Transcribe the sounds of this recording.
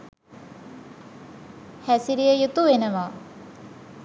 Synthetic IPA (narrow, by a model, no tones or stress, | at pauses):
hæsiɾijəjut̪uʋenəʋaː